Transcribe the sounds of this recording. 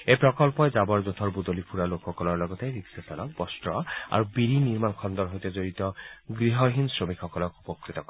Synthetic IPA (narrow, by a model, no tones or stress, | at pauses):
ejpɹɔkɔlpɔjzabɔɹzot̪ʰɔɹbud̪olipʰuɹalokʰxɔkɔlɔɹlɔɡɔt̪eɹiksasalɔk̚bɔstɹɔa̰ɹubiɹiniɹmankʰɔnd̪ɔɹɦojt̪ɛzoɹit̪ɔɡɹiɦɔɦinsɹomikxɔkɔlɔkupɔkɹit̪ɔkɔ